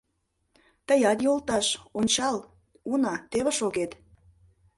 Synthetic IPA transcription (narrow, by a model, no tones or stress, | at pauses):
t̪əjɑt̪jolt̪ɑʃonʲt͡ɕɑl | unɑt̪eβə̆ʃoɣet̪